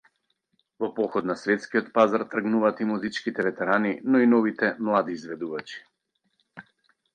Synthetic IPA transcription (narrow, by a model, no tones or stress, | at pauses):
vɔpɔxɔd̪nasvɛt̪skiɔt̪pazaɾt̪r̩ɡnuvaːt̪imuzit͡ʃkit̪ɛvɛt̪ɛɾaninɔinɔvit̪ɛmlˠad̪iːzvɛd̪uvat͡ʃi̥